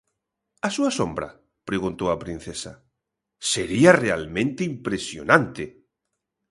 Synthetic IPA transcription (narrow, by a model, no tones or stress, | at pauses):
asuasombɾa̰ | pɾeɣũnt̪oapɾĩn̟θesa | seɾiarealmẽnt̪eimpɾesjo̰nãnt̪e